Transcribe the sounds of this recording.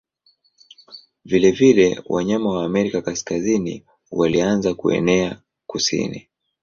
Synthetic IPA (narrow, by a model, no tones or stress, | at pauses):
vilɛvilɛwʔa̰ɲamawaːmɛɾikakaskazinḭ | walianzakuɛ̰nɛa | kusḭnḭ